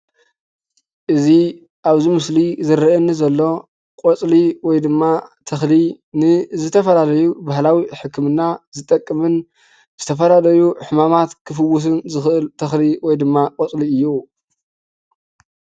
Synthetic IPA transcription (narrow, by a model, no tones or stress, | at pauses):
ʔɨzi | ʔaβzimɨslizɨɾɨʔɨnːɨzɐlːo̞ | kʼot͡sʼliwɔjd̪ɨmːat̪ʰɐxli | nɨzɨt̪ʰɐfɐlalɐjubaɦlawiħɨkʰːɨmɨnːazɨt̪ʼːɐkʼːɨmɨn | zɨt̪ʰɐfɐlalɐjuħɨmamat̪kʰɨfɨwːʊs̬ɨnzɨxʔɨlt̪ʰɐxliwɔjd̪ɨmːakʼɔt͡sʼliɨjːu